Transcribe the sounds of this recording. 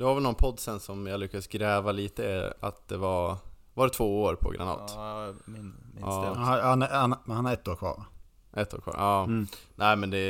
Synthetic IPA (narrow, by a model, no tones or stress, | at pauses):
d̪̥ɛvaɾvɛlnɔnpʰɔd̪ːsɛnsɔmjalʏkːad̪sɡɾɛːvaliːt̪ə̰a̰t̪̚d̪ɛvaɾ | vadɛt̪ʰvoːoːɾpʰɔ̰ɡɾa̰nɑ̰ːt̪ | ahanhahanhaɾɛt̪ːoːɾkʰvɑ̰ːɾ | ʔɛt̪ːoːɾkvɑ̰ːɾɑːnæɪmɛnd̪ɛ